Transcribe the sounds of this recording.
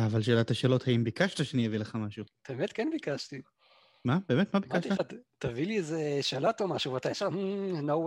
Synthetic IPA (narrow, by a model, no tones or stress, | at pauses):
avalʃelathaʃeːlo̞thaimbikaʃt̪aʃenievileχamaʃuteemet̪kenbikaʃt̪i | mabe̞ːmet̪mabimkaʃt̪iaattaviliezeʃelat̪omaʃuveat̪ajaʃam̩now